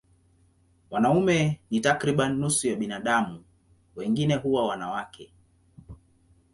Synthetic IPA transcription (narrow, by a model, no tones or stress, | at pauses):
wanaumɛnitakɾiɓanːusujaɓinaɗamu | wɛŋɡinɛɦuwawanawakʰɛ